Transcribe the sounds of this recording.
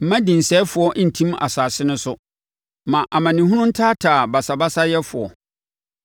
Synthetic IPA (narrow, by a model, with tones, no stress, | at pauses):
m̩˦mã˦dĩ˨n̩˨sɛ˦fʊ˨ɔ˦ʔn̩˨tʰĩ˦ma̰˨saː˨sɪ˦nʊ̃˦sʊ˦ | mã˨ʔa˨mã˨nĩ˨hɦũ˦nʊ̃˦n̩˦tʰaː˦tʰaː˨ba˨sa˨ba˦sa˦jɛ˦fʊ˨ɔ̰˨